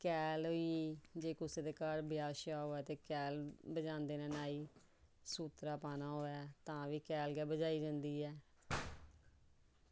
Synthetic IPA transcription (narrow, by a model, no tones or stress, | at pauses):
kɛːlɦoiːd͡ʒeːkʊseːd̪eːkaːɾbɪjaːʃaːɦoːɛːt̪eːkɛːlbəd͡ʒãːnd̪eːnɛ̃ːnaːiː | suːt̪ɾaːpaːnaːɦoːɛːt̪ãːʋiːkɛːlɡɛːbəd͡ʒaːiːd͡ʒãnd̪iːɛː